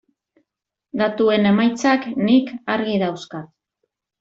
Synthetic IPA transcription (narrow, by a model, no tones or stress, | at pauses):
d̪at̪ue̞ne̞majt͡saknikaɾɣiðawskat̪